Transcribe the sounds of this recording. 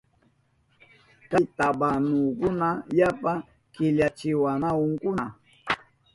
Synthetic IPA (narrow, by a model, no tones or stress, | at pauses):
kat̪abanukʊnajapa | kɪʎat͡ʃɪwanaʊŋkʊna